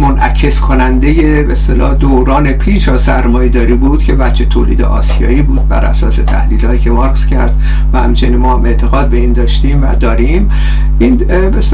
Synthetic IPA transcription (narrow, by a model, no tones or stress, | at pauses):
monʔæcʰe̞skʰo̞nænd̪e̞je̞best̪elɒːd̪oːɾɒːne̞pʰiːʃɒːsæɾmɒːjed̪ɒːɾiːbuːd̪̥cʰe̞væt̪t͡ʃet̪ʰoːliːd̪ḛʔɒːsijɒ̰ːiːbuːd̪̥̚bæ̰ɾʔæ̰sɒːse̞t̪ʰæ̰hliːlɒːt̪icʰe̞mɒɾɡscʰæɾd̪̥ | væhæmt͡ʃʰe̞niːnmɒːhæme̞ʔt̪ʰe̞ɣɒːd̪̚be̞iːnd̪ɒːʃt̪iːmvæ̰d̪ɒːɾiːm | iːn | bes